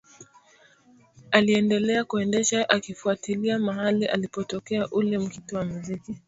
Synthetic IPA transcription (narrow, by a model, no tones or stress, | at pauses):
aliɛndɛlɛakuɛndɛʃaʔakifuatiliamaɦaliʔa̰lipɔtɔkɛaʔulɛm̩kitiwamiziki